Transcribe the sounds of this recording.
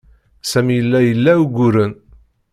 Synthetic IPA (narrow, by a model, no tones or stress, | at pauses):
sæmjəlːæjəlːæuɡʷuɾən